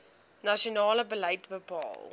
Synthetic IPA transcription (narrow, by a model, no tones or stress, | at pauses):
nɐʃionɑːləbələjtbəpɑ̰ːlˠ